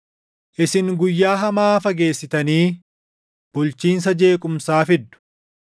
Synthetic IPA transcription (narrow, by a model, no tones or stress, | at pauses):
ʔɪsɪŋɡʊjːaːɦɐmaːfɐɡe̞ːsːɪt̪ɐniː | b̥ʊlt͡ʃiːns̬ɐd͡ʒe̞ːkʼʊmsaːfɪd̪ːʊ̥